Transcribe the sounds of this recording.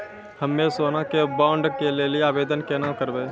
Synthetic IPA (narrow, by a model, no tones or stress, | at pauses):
həmːesoːnãkebaːʊɳɖkelelieaːbeːd̪ənkenãkəɾbeː